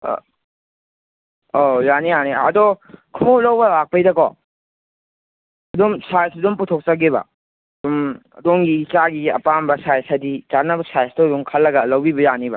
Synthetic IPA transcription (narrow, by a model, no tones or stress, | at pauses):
ojanijaneɐ̰dokʰolɐwbɐlak̚pɐjdɐkɔ | ɐdumsajsadumputʰok̚t͡ʃɐɡebɐ̰ | dumɐ̰doŋɡiit͡ʃaɡiɐ̰pambɐsajsɐdit͡ʃanːɐbɐsajsdoduŋkʰɐlːɐɡɐlɐwbibɐjanibɐ̰